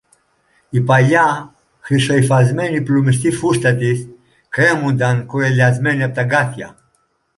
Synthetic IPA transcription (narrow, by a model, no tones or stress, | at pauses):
ipala | xiʃɔjfazmɛniplumist̪ifuʃt̪at̪is | kɾemund̪ankuɾelʲazmɛnap̚t̪aɡat̪ja̰